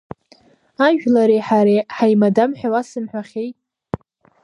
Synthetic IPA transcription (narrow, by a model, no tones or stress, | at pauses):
aʒᶣlaɾeħaɾeħajmadamħʷᶣawasɨmħʷᶣaχʲejtʼ